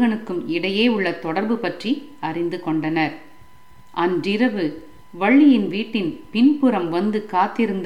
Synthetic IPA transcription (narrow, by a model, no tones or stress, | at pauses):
ɐɳɯkːɯmɪɽɐjeːʊɭːɐt̪ɔɽɐɾbɯpɐʈri | ɐrɪnd̪ɯkɔɳɖɐnɐɾ | ʔɐndɪɾɐʋɯ | ʋɐɭːɪjɪnʋiːʈːɪnpɪnpɯɾɐmʋɐnd̪ɯkaːt̪ːɪɾɯnd̪